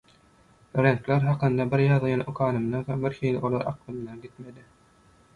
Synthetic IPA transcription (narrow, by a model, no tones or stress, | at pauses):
ɾeŋkleɾɦɑqɯnd̪ɑbiɾjɑðɯjɑnʔokʰɑːnɯmd̪ɑxembiɾxiːliolˠɑɾɑ̰qlˠɯmd̪ɑɡit̪med̪i